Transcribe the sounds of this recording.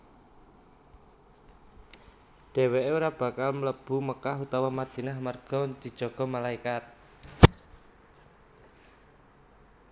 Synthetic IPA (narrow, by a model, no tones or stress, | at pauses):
ɖ̥e̤weʔeuɾab̥a̤kalmələb̥ṳməkaɦut̪awamad̪̥inahmərɡ̥ɔnd̪̥i̤̥ʒ̥ɔ̤ɡ̥ɔ̤malaikat̪̚